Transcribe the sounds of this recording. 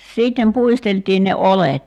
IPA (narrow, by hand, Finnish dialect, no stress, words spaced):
siˑtːem puisteltˑiːn ne olet